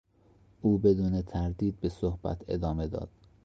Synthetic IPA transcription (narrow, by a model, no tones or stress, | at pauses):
ʔuːbe̞d̪uːnet̪ʰæɾd̪iːd̪̚be̞sohb̥æ̰t̪ʰe̞̰d̪ɒːme̞d̪ɒ̰ːd̪̥̚